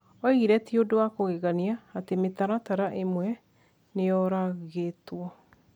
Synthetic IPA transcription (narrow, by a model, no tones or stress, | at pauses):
ɔiɣiɾɛtiodoakoɣeɣaniaːtemet̪aɾataɾaʔemwɛ | neɔɾaɣetwɔ